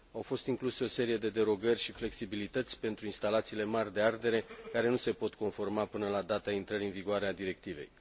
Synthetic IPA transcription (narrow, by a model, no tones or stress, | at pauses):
awfo̞st̪iŋkluse̞o̞se̞ɾije̞d̪e̞d̪e̞ɾo̞ɡərʲʃifle̞ksibilit̪ət̪sʲpe̞nt̪ɾuinst̪alat̪siːle̞marʲd̪e̞ard̪e̞ɾe̞kaɾe̞nuse̞po̞t̪ko̞nfo̞rmapɨnəlad̪at̪aint̪ɾəɾiɨnviɡoaɾead̪iɾe̞k̚t̪ive̞̰j